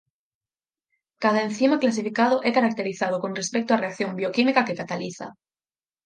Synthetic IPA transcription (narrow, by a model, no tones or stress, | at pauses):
kaðaenθimaklas̬ifikað̞oʔekaɾak̚t̪e̞ɾiθað̞oko̞nre̞spek̚t̪oare̞ak̚θjo̞mbio̞kimikake̞kat̪aliθa̰